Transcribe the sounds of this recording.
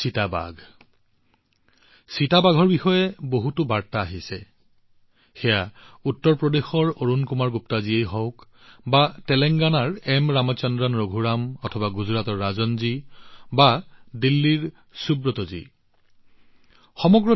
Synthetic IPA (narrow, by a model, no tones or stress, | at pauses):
sitaba̰ɡʱ | sitabaɡʱɔɹbixɔjɛboɦutʊbaɹtaːɦisɛ | xɛjautːɔɹpɹɔdexɔɹoɹunkumaɹɡup̚taziejɦɔ̃ʊk | batɛlɛŋɡanaɹɛmɹamɔt͡ʃɔndɹanɹoɡʱuɹamɔtʰɔbaɡuzɹatɔɹːazɔnzibadilːiɹ | subɹɔtɔzḭ | xɔmɔɡɹɔ